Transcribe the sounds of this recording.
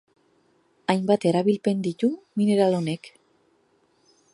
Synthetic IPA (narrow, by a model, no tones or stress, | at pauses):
ajmbat̪e̞ɾaβilpe̞nd̪it̪umine̞ɾalo̞ne̞k